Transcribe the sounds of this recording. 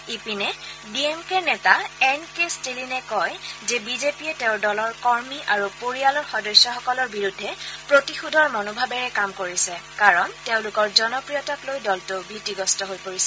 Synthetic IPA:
ipinɛbiemkenɛtaɛnkestilinɛkɔjzɛbizepiɛteʊ̃ɹdɔlɔɹkɔɹmiʔaɹupoɹialɔɹxɔdɔjsjɔxɔkɔlɔɹbiɹudʱːɛpɹotixudʱɔɹmɔnobʱabɛɹɛkamkoɹisɛkaɹɔnteʊ̃lʊkɔɹzɔnɔpɹijɔtɔklojdɔltobitiɡɔstɔɦojpoɹisɛ

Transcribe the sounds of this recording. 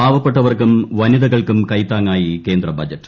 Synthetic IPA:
aːbɐpːeʈːɐʋɐrkumʋɐniðɐɣɐɭkumkɐjt̪ːaːŋːaːjike̞ːnd̪rɐbɐd͡ʑɐʈːɨ̥

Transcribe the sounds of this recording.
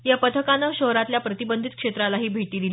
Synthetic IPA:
japət̪ʰəkanəɕəɦɾat̪ljapɾət̪ibənd̪ʱit̪̚kʂet̪ɾalaɦiːbʱeʈiːd̪il

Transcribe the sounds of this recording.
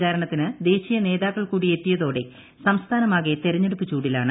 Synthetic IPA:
t͡ɕaːɾɐɳɐt̪ːinɨd̪e̞ːɕijɐne̞ːðaːkːɐɭkuːɽiet̪ːijɐðo̞ːɽe̞ | sɐmst̪ʰaːnɐmaːɣe̞t̪eɾɐɲːeɽupːit͡ɕːuːɽilaːɳɨ

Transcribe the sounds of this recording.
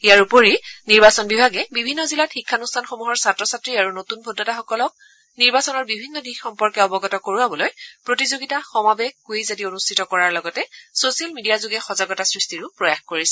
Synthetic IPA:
ijaɹupoɹiniɹbasɔnbibʱaɡɛbibʱinːɔzilatxikʰːanustʰanxomuɦɔɹsatɹɔsatɹiaɹunotunbʱodːɔtaxɔkɔlɔk̚ | niɹbasɔnɔɹbibʱinːɔdixxɔmpɔɹkɛɔbɔɡɔtɔkoɹuabɔlojpɹotizoɡitaxɔmabɛɡɡojzadionustʰitɔkɔɹaɹlɔɡɔtɛsosialmidijazuɡɛxɔzaɡɔtasɹistiɹʊpɹɔjaxkoɹisɛ̥

